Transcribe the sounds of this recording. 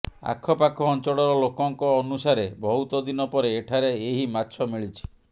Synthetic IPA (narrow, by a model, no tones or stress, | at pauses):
a̰kʰːɔpakʰɔːnt͡ʃɔɽɔɾɔlokɔŋkɔːnusaɾebɔɦut̪ɔd̪inɔpɔɾeːʈʰaɾeeɦimatːt͡ʃʰɔmiɭit͡ʃʰi̥